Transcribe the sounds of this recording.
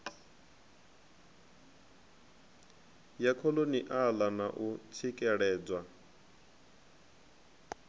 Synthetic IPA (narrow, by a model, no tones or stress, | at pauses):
jakʰɔloniʔalanaʔut͡sʰikʼɛɺɛːd͡zwa